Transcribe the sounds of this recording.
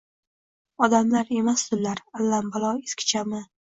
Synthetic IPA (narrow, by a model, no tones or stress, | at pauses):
ɒd̪amlaɾe̞mast̪ʊllaɾalːambalˠɒeskʲʰɪ̥t͡ʃʰamɪ